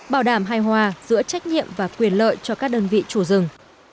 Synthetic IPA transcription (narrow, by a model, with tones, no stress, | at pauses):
ɓaː˧˩wɗaː˧˩mɦaː˧jɦwaː˧zɨ̰˧˥ət͡ɕa˦˥jk̟̚ɲḭ˧˨əmvaː˨˩kwi˨˩ənlə̰ː˧˨jt͡ɕɔ˧kaː˦˥k̚ɗəː˧nvḭ˧˨t͡ɕu˧˩zɨ˨˩ŋ